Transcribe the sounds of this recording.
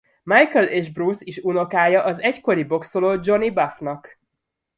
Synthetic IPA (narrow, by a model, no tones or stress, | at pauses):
majkɛleːʒbrusiʃuno̞kaːjɒʔɒzɛcko̞ɾibo̞ksoloːd͡ʒo̞nibafnɒk